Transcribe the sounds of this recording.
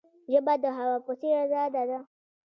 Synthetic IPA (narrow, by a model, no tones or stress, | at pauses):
d͡ʒebad̪əɦawapʊsiɾazadada